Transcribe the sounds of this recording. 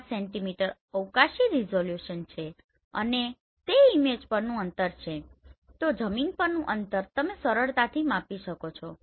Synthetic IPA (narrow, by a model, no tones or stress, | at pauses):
sɛɳʈimiʈəɾ | əwkaʃiɾizoljuʃənt͡ʃʰe | ə̰ne | t̪eimed͡ʒpəɾnũənt̪əɾt͡ʃʰet̪od͡ʒəminpəɾnũʔənt̪əɾt̪əmesəɾəɭt̪at̪ʰimapiʃəkot͡ʃʰo